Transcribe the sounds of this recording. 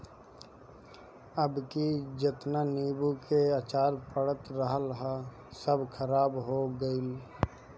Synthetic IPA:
əbkid͡ʒɪt̪naniːbukeat͡ʃaːɾpəɽət̪ɾəɦəlɦa | səbkʰəɾaːbɦoɡəɪl

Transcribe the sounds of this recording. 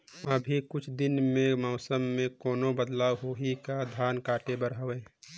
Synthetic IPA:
əbʱikʊt͡ʃʰd̪ɪnmẽmɔːsəmːẽkɔːnobəd̪laːwɦoɦikad̪ʱaːnkaːʈebəɾɦəʋeː

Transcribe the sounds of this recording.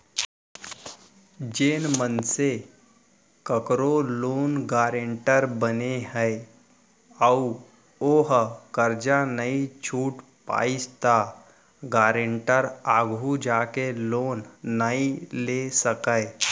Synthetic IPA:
d͡ʒeːnmənse | kəkɾoloːnɡaɾeɳʈəɾbəneɦəe | əu | oɦkəɾd͡ʒanəit͡ʃʰuːʈ | pa̰ist̪a | ɡaɾeɳʈəɾaɡʱud͡ʒakeloːnːailesəkəe

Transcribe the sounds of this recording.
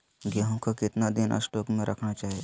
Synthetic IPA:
ɡeɦõkʰakɪt̪nad̪inʔə̰sʈokmẽɾʔəkʰɳat͡ʃaːɦie

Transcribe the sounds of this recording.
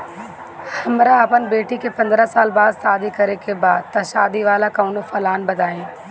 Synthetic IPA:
hɐmɾãɐpənbeːʈikepɐ̃nd̪ɾasaːlbaːd̪saːd̪ikɐɾekebaːd̪̚t̪ɐʃaːd̪iʋaːlakɐunofɐlaːnbɐd̪ʱaːẽː

